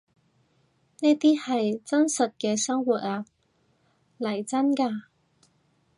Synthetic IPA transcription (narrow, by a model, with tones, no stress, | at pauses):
neː˥t̪iː˥hɐ˨jt͡sɐ˥nsɐ˨t̚kɛː˧sɐ˥ŋwuː˨t̚aː˧ | lɐ˨˩jt͡sɐ˥nkaː˧